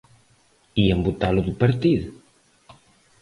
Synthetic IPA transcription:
iembut̪aluðupeɾt̪iðu

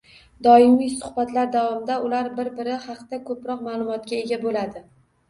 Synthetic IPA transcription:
d̪ɒɪmijsʊ̥hbat̪laɾd̪avɒmɪd̪aʊlaɾbɪɾbɪɾɪhɑqt̪akʰɵpɾɒqmaːlˠʊmɒt̪̚kʲae̞ɡʲabolad̪ɪ

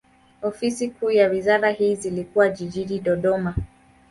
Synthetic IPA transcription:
ɔfisikuːjawizaɾahiːzilikuwaʄiʄiɗiɗɔɗɔma

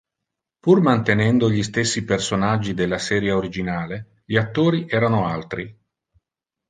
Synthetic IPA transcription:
purmant̪enɛnd̪oʎist̪esːipersonad͡ʒːid̪elːasɛːɾjaoɾid͡ʒinaːle | ʎiat̪ːoːɾiʔɛːɾanoalt̪ɾi

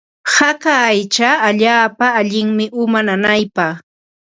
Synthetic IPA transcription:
hakaːjt͡ʃaːʎaːpaːʎɪŋmɪʔʊmananajpɑχ

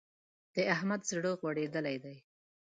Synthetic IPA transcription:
d̪̥əahmad̪sɪɽoɣwaɽed̪əlajd̪aj

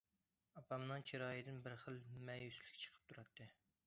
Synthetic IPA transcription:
ɑpʰɑmnɨŋt͡ʃʰiɾɑːjid̪ɪnbɪɾχəlˠmɛjyslɪ̥kʲʰɛ̥t͡ʃʰə̥qʰə̥p̚t̪ʰuɾɑt̪ʰːɨ

